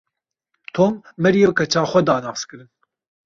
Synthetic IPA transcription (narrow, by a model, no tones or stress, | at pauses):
t̪ʰoːmːɛɾijekɐt͡ʃʰaːxʷɛd̪aːnɑːskɨɾɨn